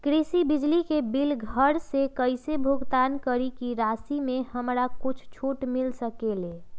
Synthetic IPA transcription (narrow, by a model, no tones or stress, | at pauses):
kɾisibid͡ʒlikebilɡʱəɾsekəɪsebʱuɡt̪ankəɾikiɾasimẽhəmɾakʊt͡ʃʰt͡ʃʰoʈmilsəkele